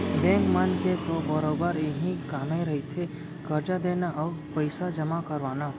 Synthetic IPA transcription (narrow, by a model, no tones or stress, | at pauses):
bɛ̃ŋkmanket̪obəɾobəɾeɦĩkaːmeɾəɦit̪ʰe | kəɾd͡ʒad̪eːnaʔɔpəjsad͡ʒəmakəɾʋaːna